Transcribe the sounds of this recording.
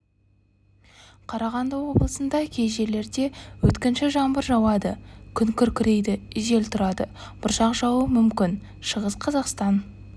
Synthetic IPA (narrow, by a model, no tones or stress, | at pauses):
qʰɑɾɑʁɑnd̪əwo̞blˠəsənd̪ɑkʲʰe̞jʒe̞le̞ɾd̪e̞wɵt̪kʲɪnʃɪʒɑmbəɾʒɑwɑd̪əkʲʰʏŋkʲʰʏɾkʲɪɾe̞jd̪ɪɪʒe̞lt̪ʰʊɾɑd̪əb̥ʊɾʃɑqʒɑwəmʏmkʲɪn | ʃəʁəsqʰɑzɑqst̪ɑn